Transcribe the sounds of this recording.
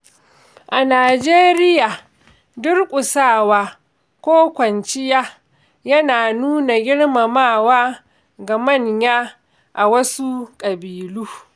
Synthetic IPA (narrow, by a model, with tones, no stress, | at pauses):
ʔa˨naː˨d͡ʒeː˦ɾɪ˦jaː˨ | dʊ˦rkʷʼʊ˨saː˦˨waː˨ | kʷoː˦kʷɐ˨nt͡ʃɪ˦jaː˦ | jɐ˦naː˨nuː˦na˨ɡʲɪ˦ɽma˨maː˦˨waː˦ | ɡa˨mɐ˦˨ɲjaː˦ | ʔa˨wɐ˦su˦kʼɐ˨biː˨luː˦